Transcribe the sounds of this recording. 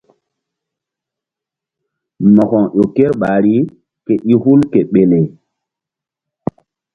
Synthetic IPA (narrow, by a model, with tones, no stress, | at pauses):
mɔ˨kɔ˨ŋʔo˨ke˦ɾɓa˨ɾi˦ | ke˨ʔi˦hu˦lke˨ɓe˨le˨